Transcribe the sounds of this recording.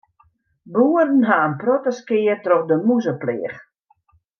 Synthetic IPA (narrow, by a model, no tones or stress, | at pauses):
buːərn̩ɦaənprɔtəskɪːərtroxdəmuzəplɪːx